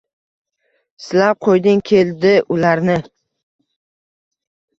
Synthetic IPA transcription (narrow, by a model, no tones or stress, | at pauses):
sɪlap̚qʰojd̪ɪŋkʲʰe̞ld̪ɪʔʊlaɾnɪ